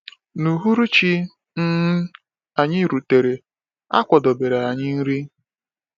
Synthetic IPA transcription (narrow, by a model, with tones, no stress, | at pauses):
nu˨ɦu˦ɾu˦t͡ʃi˦ | n̩˦ | a˨ɲɪ˦˨ɾu˨te˨ɾe˨ | a̰˦kʷɔ˨dɔ˨be˨ɾa˨a˨ɲɪ˦n̩˦ɾi˦